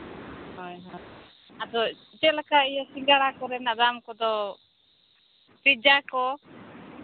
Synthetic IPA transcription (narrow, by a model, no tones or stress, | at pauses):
hɔjɦɔj | at̪ɔit͡ʃɛlakaijasiŋɡaɾakɔɾɛnad̪amkɔd̪ɔ | pid͡ʒakɔ